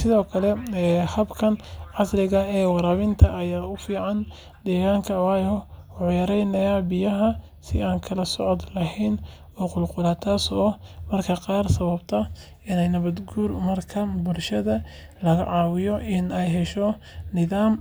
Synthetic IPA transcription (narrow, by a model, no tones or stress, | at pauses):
sɪðɔːkʰɐlɛɛːhɐbkʰɐnʕɑslɪɣɐɛːwɑɾaːβɪnt̪ʰɐːjaːʊfiːʕɑn | d̪̥ɛːɣaːŋkʰɐwaːjɔwʊjɐɾɛjnɐjaːbɪjɐɦɐ | sɪaːŋkʰɐlɐsɔʕɔd̪lɐɦɛjn | ɔːqʊlqʊlaːt̪ʰaːsɔmɐrkʰɐqɑːrsɐβɐbt̪ʰɐ | ɪnɛjnɐβɐd̪ɡuːrmɐrkʰɐbʊlʃɐðɐ | lɐɣɐ̰ʕɑːwɪjɔʔɪnɛjɦɛʃɔ | nɪðaːm